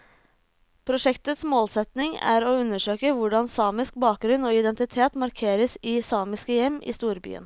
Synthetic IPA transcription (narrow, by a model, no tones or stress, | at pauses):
pʰɾʊʂɛkt̪ət̪smoːlsɛt̪nɪŋæ̰ːɾoːʉnːəʂøːkəʋʊɖɑnsɑːmɪsk̚bɑːk̚ɡɾʉnːoːɪd̪ɛnt̪ɪt̪ʰeːt̪mɑɾkʰeːɾəsiːsɑːmɪskəjɛmːʔḭːst̪uːɾby̰ːə̰n